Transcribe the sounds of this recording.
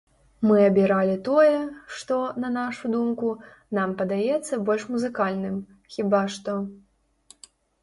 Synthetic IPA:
mɨɐbʲiɾalʲit̪ɔjɛʂt̪ɔnɐnaʂud̪umku | nampɐd̪ajɛt̪sːɐbɔlʲʂmuzɨkalʲnɨm | xʲibaʂt̪ɔ

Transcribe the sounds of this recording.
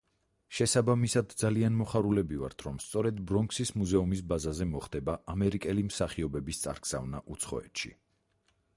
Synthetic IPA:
ʃɛsabamisad̪d̪zalianmɔχaɾulɛbiva̰ɾt̪ʰɾɔmst̪sʼɔɾɛd̪bɾɔŋksismuzɛumis̬bazazɛmɔχd̪̥ɛbaʔamɛɾikʼɛlimsaχiɔbɛbist̪sʼa̰ɾɡz̥a̰vnaʔut̪sʰχɔ̰ɛ̰t̪ʃḭ

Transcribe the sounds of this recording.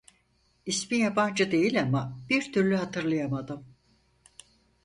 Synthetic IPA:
ismijaband͡ʒɯd̪e̞jilʲamab̥iɾt̪ʰyɾlʲyɦat̪ʰɯɾlˠɯjamad̪ɯm

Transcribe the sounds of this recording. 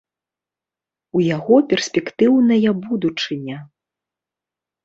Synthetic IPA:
ujaɣɔpʲɛrsʲpʲɛkt̪ɨwnɐjɐbud̪ut͡ʂɨnʲɐ

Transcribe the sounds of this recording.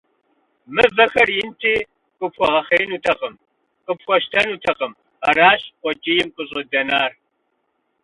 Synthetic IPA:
mɨvɐxɐrjɪntʰiː | qʷʼʊpxʷɔʁɐχeːnutʰɐqəm | qʼəpxʷɔʃtʰɐnuːtʰɐqəm | ɐraːɕʼqʷɔt͡ʃʼiːjɪmkʷʼʊɕʼdɐnaːr

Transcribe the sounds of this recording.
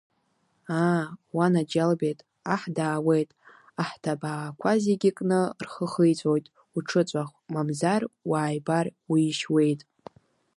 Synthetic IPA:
awanad͡ʒalbejtʼ | aħdaːwe̞jtʼ | aħtʰabaːkʷʰaziɡʲikʼnɨrχəχəjt͡sʷʼojtʼ | uʈ͡ʂʰɨt͡sʷʼaχʷmamzarwaːjbarwiːʃwe̞jtʼ

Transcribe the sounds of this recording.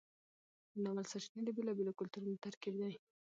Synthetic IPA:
ənawalsaʃned̪əbelɑbelokʊlt̪uɾunot̪aɾkibd̪aj

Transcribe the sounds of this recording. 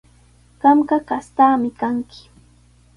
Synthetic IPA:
ɢ̥ɑmɢɑkast̪aːmɪkaŋkɪ̥

